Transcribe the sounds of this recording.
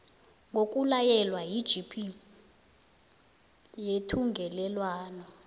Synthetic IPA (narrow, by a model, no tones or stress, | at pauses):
ŋʱok̬ʼulajɛlwajid̥ʒ̥ʱipʰi | jetʰuŋɡʱɛlɛlwaːnɔ